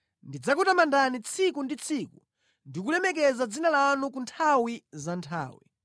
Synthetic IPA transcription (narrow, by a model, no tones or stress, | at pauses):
ndid͡zakutamandanit͡sʰikundit͡sʰiku | ndikulɛmɛk̬ɛzad͡zinalanukuntʰawizantʰa̰ːwḭ